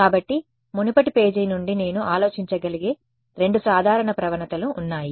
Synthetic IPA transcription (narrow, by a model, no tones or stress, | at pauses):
kaːbɐʈːi | munipɐʈipe̞ːd͡ʒijnuɳɖine̞ːnuʔaːlo̞ːt͡ʃiɲt͡ʃɐɡɐliɡe | ɾe̞ɳɖusaːd̪ʱaːɾɐɳɐpɾɐʋɐnɐt̪ɐluːnːaːji